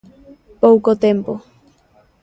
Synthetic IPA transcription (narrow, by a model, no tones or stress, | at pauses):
powkot̪empo